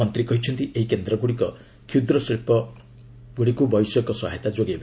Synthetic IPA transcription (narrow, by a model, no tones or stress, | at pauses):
ɔnt̪ɾikɔɦit͡ʃʰɔnt̪iʔeɦikend̪ɾɔɡuɽikɔ | kʰjud̪ɾɔsiɭpɔ | ɡuɽikubɔjsɔkɔsɔ̰ɦajt̪ad͡ʒoɡeba